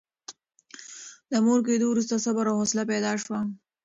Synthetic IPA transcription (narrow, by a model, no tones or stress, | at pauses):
d̪əmoɾk̬ed̪owɾus̬t̪asabaɾohoslapɛd̪ɑʂwa